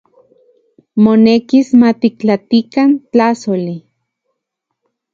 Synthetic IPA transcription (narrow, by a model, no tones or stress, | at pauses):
monekismat̪ikt͡ɬat̪ikant͡ɬasoli